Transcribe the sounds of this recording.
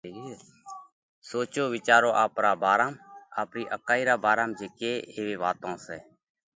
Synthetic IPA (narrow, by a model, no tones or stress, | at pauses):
soːt͡ʃoːʋɪt͡ʃaːɾõːʔaːpɾaːbaːɾaːma̰ːpɾiːʔəkaːiːɾaːbaːɾaːmd͡ʒeːkeːeːʋeːʋaːt̪õːsɛː